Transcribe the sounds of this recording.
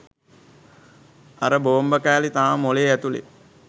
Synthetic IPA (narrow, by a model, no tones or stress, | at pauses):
aɾəboːmbəkæːlit̪aːmoleːæt̪ulḛ